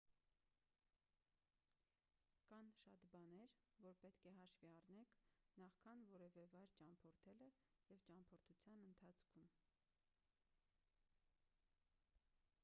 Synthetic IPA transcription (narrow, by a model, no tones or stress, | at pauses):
kɑnʃɑt̪bɑnɛɾvɔɾpɛt̪kʰɛɦɑʃviɑrnɛkʰnɑχkʰɑnvɔɾɛvɛvɑjɾt͡ʃɑmpʰɔɾt̪ʰɛlə | jɛvt͡ʃɑmpʰɔɾt̪ʰut͡sʰjɑnənt̪ʰɑt͡sʰkʰum